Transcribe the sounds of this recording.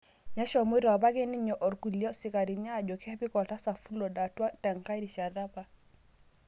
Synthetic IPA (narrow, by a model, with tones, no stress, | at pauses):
ɲa˦ʃɔ˨mu˦ɾɔ˨ba˦ɡɛ˦ni˦ɲɔ˨ʔɔ˨ɾku˨li˨ɔ˦si˦ka˨ɾi˨ɲa˦˨d͡ʒɔ˨kʰɛ˦pi˦kɔ˨ta˦sa˨fu˦lɔ˨da˨twa˦tɛ˨ŋka˦ɾi˨ʃa˨ɾa˦pa˨